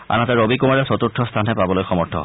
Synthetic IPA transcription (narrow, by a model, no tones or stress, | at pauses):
a̰natɛɹobikumaɹɛsɔt̪uɹtʰːɔst̪ʰanɦɛpabɔlojxɔmɔɹtʰɔ̰